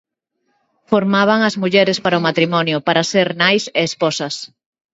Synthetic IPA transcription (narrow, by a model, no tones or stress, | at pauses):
foɾmaβ̞aŋɐzmuʎɛɾespaɾaʊmat̪ɾimɔnjʊpaɾaseɾnajseːsposɐs